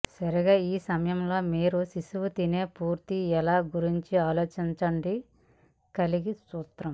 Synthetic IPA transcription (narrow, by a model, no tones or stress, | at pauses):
sɐɾiɡaːiːsɐmɐjɐmlo̞ːmiːɾusisuʋut̪ine̞ːpuːɾt̪iɛlaːɡuɾiɲt͡ʃiaːlo̞ːt͡ʃiɲt͡ʃɐɳɖi | kɐliɡisuːt̪ɾɐm